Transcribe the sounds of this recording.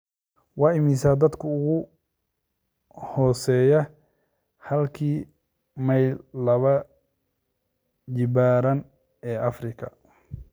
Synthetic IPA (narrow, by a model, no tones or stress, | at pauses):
wɑːɪmisaːd̪ɐd̪kʰʊʊɣʊ | hɔːsɛːjɛ | hɐlkʰiː | mɐjllːɐβɐ | d͡ʒɪbaːɾɐn | ɛːʔɐfrɪkʰɐ